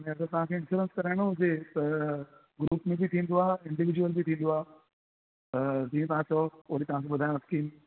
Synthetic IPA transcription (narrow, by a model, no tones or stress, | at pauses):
ɐnẽɐɡəɾt̪ɐʋ̤ãkʰeɪ̃nfuɾə̃nskɐɾaːɪɽ̃oɦʊset̪ɐ | ɡɾuːpmẽbit̪ʰĩːnd̪oaːɪ̃ɳɖɪʋɪd͡ʑuwəlbit̪ʰĩːn̆d̪oaː | t̪ɐd͡ʑiːũt̪ɐʋ̤ãt͡ɕɔʊɦɽit̪ɐʋ̤ãːkʰeɓʊd̪ʱaj̃ɐskiːn